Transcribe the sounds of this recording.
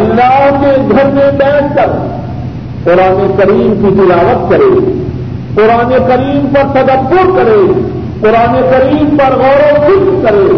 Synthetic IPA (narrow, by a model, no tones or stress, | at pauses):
ɐlːaːɦd͡ʑeːɡʱɐɾmẽɓɛːskɐɾ | qʊɾaːnekɐɾiːmkʰit̪ɪlaːʋət̪̚kɐɾḛː | qʊɾaːnekɐɾiːmpɐɾt̪ɐd̪əbːʊɾkɐɾeː | qʊɾaːnekɐɾiːmpɐɾɣɔːɾofɪkkɐɾeː